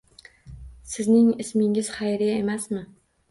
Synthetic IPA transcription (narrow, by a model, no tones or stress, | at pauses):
sɪznɪŋɪsmɪŋɪz̥χajɾɪjemasmɪ